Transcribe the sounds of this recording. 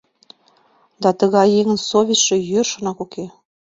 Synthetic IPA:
d̪ɑt̪ə̆ɣɑjeŋə̆nsoβʲit͡ɕʃĕjørʃonɑkuke

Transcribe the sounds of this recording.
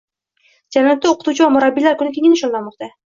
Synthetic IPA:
d͡ʒallat̪ːaoqʰɨt̪ut͡ʃʰɪvamʊɾabːilaɾkʰʊnɪkʲʰeŋʲɪnɪʃold̪anmɒq̚t̪ʰa

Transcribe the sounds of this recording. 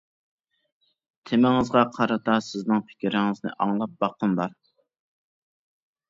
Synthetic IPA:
t̪ʰemɪŋɨzʁɑqʰɑɾɑt̪ɑsɪznɪŋpʰɪ̥kʲiɾɪŋɨznɪ̰ʔɑŋlˠɑp̚bɑqːəmbɑɾ

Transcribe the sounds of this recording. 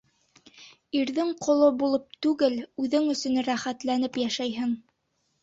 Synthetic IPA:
iɾðɘŋqʰŏlˠobulˠɤp̚t̪ʉɡɘlʉðɘŋɵ̆sɵ̆nɾæχæt̪lænɘpjæʃæjɦɘŋ

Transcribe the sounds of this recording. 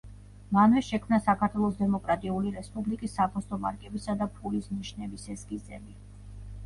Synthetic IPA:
manvɛʃɛkʰmnasakʰaɾt̪ʰwɛlˠɔsd̪ɛmɔkʼɾat̪ʼiuliɾɛspʼublikʼisːaɡʰɔst̪ʼɔma̰ɾkʼɛbisad̪apʰulisniʃnɛbisɛsɡizɛmi

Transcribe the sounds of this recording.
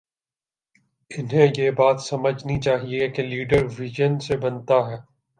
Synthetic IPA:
ɪnɦẽjeːbaːt̪sɐməd͡ʒʱnit͡ʃaːɦiekeliːɖəɾʋɪʒənsebɐnt̪aɦɛː

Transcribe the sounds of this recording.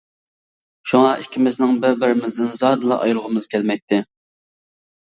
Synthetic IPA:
ʃuŋɑʔikʲʰimɪznɪŋbɪɾbɪɾɪmɪzd̪ɪnzɑd̪ɨlˠɑ̰ʔɑ̰jlˠʁəmɨz̥kʲʰɛlmɛk̚t̪ʰːɪ

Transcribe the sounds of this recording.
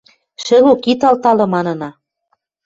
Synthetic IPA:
ʃĕlokit̪ɑlt̪ɑlɤ̆mɑnɤ̆nɑ

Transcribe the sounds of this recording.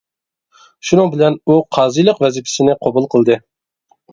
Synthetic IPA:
ʃunɨŋbɪlɛnuqʰɑːzijlˠəqvɛzɪpʰɪ̥sɪnɪqʰobulˠqʰəlˠd̪ɨ

